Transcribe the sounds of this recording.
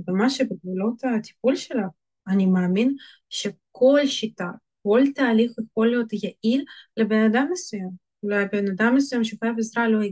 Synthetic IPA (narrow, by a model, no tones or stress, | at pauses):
bemaʃebeɡvulo̞t̪at̪i̥p̚ulʃelav | anʲimaːmin | ʃekʰo̞lʃit̪a | ko̞lt̪aːlixjexo̞lijot̪jaʔiɾlebenad̪amːesujam | ulajbenad̪amːes̬ujamʃeuxajavezɾaloji